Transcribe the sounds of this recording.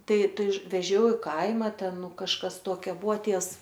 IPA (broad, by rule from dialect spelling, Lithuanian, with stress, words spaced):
ˈtɐɪ ˈtɐɪ ʋʲɛˈʒʲɛʊ ɪ ˈkɐɪmɐ ˈtʲɛn ˈnʊ kɐʃˈkɐs ˈtuɔkʲɛ ˈbuɔ ˈtʲiɛws